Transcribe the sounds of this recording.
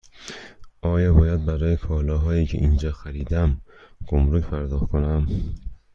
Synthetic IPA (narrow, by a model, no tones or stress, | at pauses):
ʔɒːjɒːbɒːjæd̪̚bæɾɒːjekʰɒːlɒːɦɒːjiːcʰḛʔind͡ʒɒːxæɾiːd̪æmɡ̥omɾucpʰæɾd̪ɒːxkʰonæm